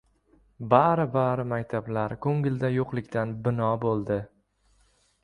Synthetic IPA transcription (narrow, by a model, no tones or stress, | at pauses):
baɾɪbaɾɪmakʲt̪ʰablaɾkʰɵŋɡʲɪld̪ajoqlˠɪkʲt̪anbɪnɒbolˠd̪ɪ